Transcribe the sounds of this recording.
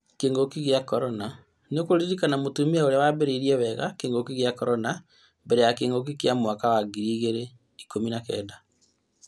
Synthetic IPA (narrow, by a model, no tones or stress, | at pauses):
keːŋɡokiɣjakɔɾɔna | nokoɾizikanamotumiaoɾeawabeɾeiɾiɛwɛɣa̰keːŋɡokiɣjakɔɾɔna | mbɛɾejakeːŋɡok̬ikjamwakawaɡiɾiːɣeɾe | ikominakɛ̰ːda